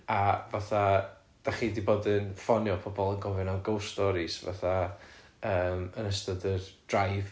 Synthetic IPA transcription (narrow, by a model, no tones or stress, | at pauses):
avaθa | d̥aχiːdiboːdɨnfɔnjɔpʰɔbɔlˠənɡɔvɪnaɡowstɔɾɪsva̰θa | əːmənəstɔdərd̥rajv